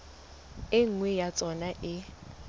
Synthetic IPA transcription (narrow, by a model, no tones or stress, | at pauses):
ɪŋ̩ŋwɛjat͡sʼɔnaʔɪ